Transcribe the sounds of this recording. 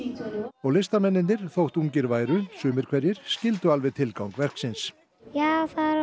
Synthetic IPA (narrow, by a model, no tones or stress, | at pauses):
ɔɣlɪst̪amɛnːɪnɪɾ̥θowht̪uŋcɪɾvaːjɾʏsʏːmɪɾ̥kʰvɛɾjɪɾ̥scɪlt̪ʏalvɪðt̪ʰɪlkawŋkvɛr̥ksɪns | jaːθaɾ